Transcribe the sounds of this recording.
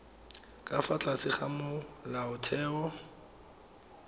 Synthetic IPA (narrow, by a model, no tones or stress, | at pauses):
kʼafat͡ɬʼasɪχamʊlaʊtʰɛːɔ